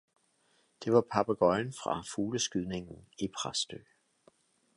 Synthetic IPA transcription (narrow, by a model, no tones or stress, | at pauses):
d̥e̝ʋɑ̈pʰɑb̥æɡ̥ɒɪnfʁɑ̈fuːləsɡ̥yð̞̰ˠne̝ŋn̩ipʰʁasd̥ø̰ː